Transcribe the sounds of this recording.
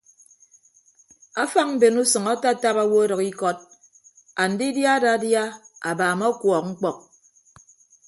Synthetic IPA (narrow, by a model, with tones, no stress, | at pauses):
a˦fa˦ŋ̚m̩˦be˨nu˦sɨ˨ŋa˦ta˦˨ta˦pa˦wo˦dɔ˨ki˦kɔ˦t̚ | a˨n̩˨di˦dja˦da˨˦dja˦a˨baː˨mɔ˦kwɔ˨k̚ŋ̩˦k͡pɔ˨k̚